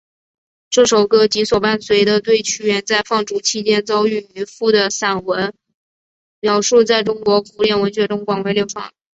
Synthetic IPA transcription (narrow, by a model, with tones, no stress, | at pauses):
ʈ͡ʂɤ˥˩ʂo˨˩ʊkɤ˥˩t͡ɕi˧˥swɔ˨˩pa˥˩nswe˧˥ɪd̪ə˧t̪we˥˩ɪt͡ɕʰy˥ɥɛ˧˥nt͡sa˥˧ɪfɑ˥˩ŋʈ͡ʂu˧˥t͡ɕʰi˥t͡ɕjɛ˥nt͡sɑ˥ʊy˥˩y˧˥fu˥˩d̪ə˩sa˨˩nwə˧˥n | mjɑ˨˩ʊʂu˥˧t͡sa˥˩ɪʈ͡ʂʊ˥ŋkwɔ˧˥kʰu˧˥ljɛ˥˩nwə˧˥nɕɥɛ˧˥ʈ͡ʂʊ˥ŋkwɑ˨˩ŋwe˧˥ljo˥˩ʊfɑ̰˨˩˦ŋ